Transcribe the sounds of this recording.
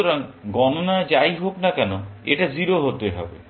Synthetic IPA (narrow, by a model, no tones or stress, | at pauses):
oɾaŋɡɔnonad͡ʒajɦoknakɛnoḛʈaziɾoɦot̪eɦɔ̰bḛ